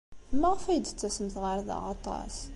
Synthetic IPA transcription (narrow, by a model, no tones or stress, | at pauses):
mæʁfæjd̪ət͡sːæsəmθʁəɾða̰ʕɑt̪ˤɑ̰s